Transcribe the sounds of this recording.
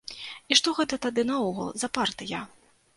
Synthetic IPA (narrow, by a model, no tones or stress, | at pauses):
iʂt̪ɔɣɛt̪ɐt̪ad̪ɨnɐɔɣɐ̰lˠzɐpart̪ɨja